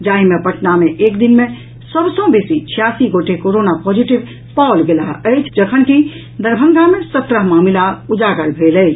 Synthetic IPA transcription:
d͡ʒaimepəʈʰnameʔeːkd̪inmẽ | səbsɔ̃besit͡ʃʰijasiɡoʈekoɾonapɔd͡ʒiʈib | paʊlɡelaəɪt͡ʃʰd͡ʒəkʰənki | d̪əɾbʱə̃ŋɡʱamẽsət̪ɾəɦmaːmilaud͡ʒaɡəɾbʱeləɪt͡ʃʰ

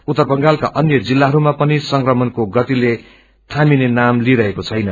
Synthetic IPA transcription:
ut̪ːʌrbʌŋɡalkaʔʌnjʌd͡zilːaɦʌɾumapʌnisʌŋkrʌmʌnkoɡʌt̪ile | t̪ʰaminenamliɾʌɦekot͡sʰʌjnʌ

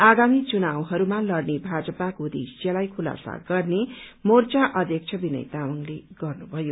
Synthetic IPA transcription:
aɡamit͡sunawɦʌɾumalʌɽnebʱad͡zʌpakod̪ḭsd͡zelajkʰula̰sa̰ɡʌrnemort͡saʔʌd̪ʱjʌk̚t͡sʰʌbinʌ̰jt̪awʌŋleɡʌrnubʱʌjo

